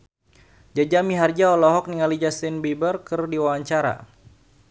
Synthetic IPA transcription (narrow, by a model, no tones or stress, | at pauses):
d͡ʒad͡ʒamiɦard͡ʒaɔlɔɦɔk̚niŋalid͡ʒast̪inbibərkərdiwawaɲt͡ʃaɾa̰